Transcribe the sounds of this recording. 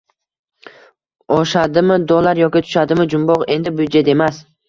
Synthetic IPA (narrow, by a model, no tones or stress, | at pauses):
ɒʃad̪ɪmɪd̪ɒlˠaɾjɒkʲɪt̪ʰʊ̥ʃad̪ɪmɪd͡ʒʊmbɒʁe̞nd̪ɪbʊd͡ʒet̪e̞mas